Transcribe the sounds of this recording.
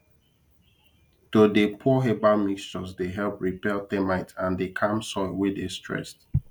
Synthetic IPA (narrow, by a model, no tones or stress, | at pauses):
todepʰuɦebalmikst͡ʃɔsdeɦɛlˠpɹipɛlθɛmaɪtãndekʰãmsɔɪwɪdestʰɹɛ̰st